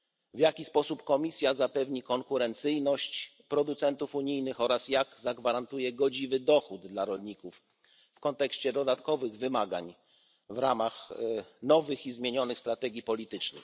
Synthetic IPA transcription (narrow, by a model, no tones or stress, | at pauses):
vjakʲispɔsupkɔmʲisʲjazapɛvɲikɔŋkuɾɛnt̪sɘjnɔɕt͡ɕ | pɾɔd̪ut̪sɛnt̪ufuɲijnɘxɔɾasjaɡzaɡvaɾant̪ujɛɡɔd͡ʑivɘd̪ɔxud̪d̪laɾɔlɲikufː | kɔnt̪ɛkɕt͡ɕɛd̪ɔd̪at̪kɔvɘɣvɘmaɡa̰ɲ | vɾa̰maxnɔvɘxizmʲjeɲɔnɘxst̪ɾat̪ɛɡʲipɔlʲit̪ɘt͡ʂnɛ̰